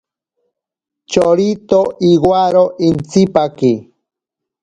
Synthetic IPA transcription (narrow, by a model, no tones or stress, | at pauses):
t͡ʃoɾit̪oʔiɣwaɾoʔint͡sipaki